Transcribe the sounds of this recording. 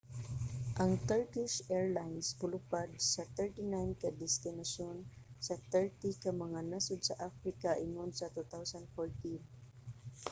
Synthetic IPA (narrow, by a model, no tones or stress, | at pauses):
ʔɐŋt̪ɛɹkɪʃʔɛɹlajnspʊlʊpad̪̚sɐt̪ɛɹt̪inajnkɐd̪ɛst̪ɪnɐʃonsɐt̪ɛɹt̪ikɐmɐŋanasʊd̪̚sɐʔafɾɪkaʔɪ̰ŋʊnsɐt̪ut̪awsɐnd̪̚foɹt̪in